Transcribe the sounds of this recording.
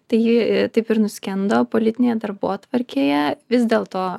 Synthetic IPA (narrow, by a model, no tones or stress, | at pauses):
t̪ɐɪjɪt̪ɐɪpɪɾnʊsʲkʲɛnd̪oːpoːlʲɪt̪ʲɪnʲeːjɛd̪ɐɾboːt̪ʋɐɾʲkʲeːjɛʋʲɪzd̪ʲeːlˠt̪oː